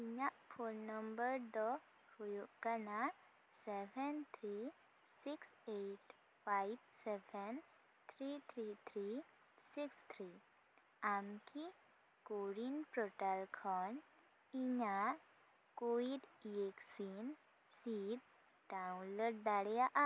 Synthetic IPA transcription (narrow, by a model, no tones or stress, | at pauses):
iɲafolnəmbəɾd̪ɔ | hujukəna | sɛʋənt̪ʰɾi | sikseʈ | fajʋseʋən | t̪ʰɾit̪ʰɾit̪ʰɾi | sikst̪ʰɾi | amki | koɽinpɾɔʈalkʰɔn | iɲa | koʋiɖeksin | sid̪̚ | ɖawũnləɽ̚d̪aɽjaʔa